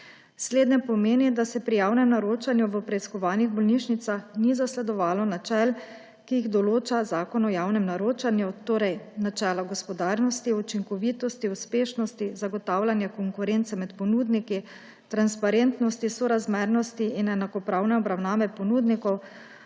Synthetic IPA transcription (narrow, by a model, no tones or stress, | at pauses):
sleːd̪njɛpɔmeːnid̪asɛpɾijawnɛmnaɾoːt͡ʃanjuʋəpɾɛiskɔʋaːniɣbɔlniʃnit̪saxnizaslɛd̪ɔʋaːlɔnat͡ʃɛl | kijiɣd̪ɔloːt͡ʃazaːkɔnɔjaːwnɛmnaɾoːt͡ʃanjut̪oːɾɛjnat͡ʃɛːlaɡɔspɔd̪aːɾnɔst̪iut͡ʃiŋkɔʋit̪ɔst̪iuspeːʃnɔst̪izaɡɔt̪aːwlʲanjakɔŋkuɾent̪sɛmɛt̪pɔnuːd̪niki | t̪ɾanspaɾent̪nɔst̪isɔɾazmeɾnɔst̪iːnɛnakɔpɾawnɛɔbɾawnaːʋɛpɔnud̪nikɔw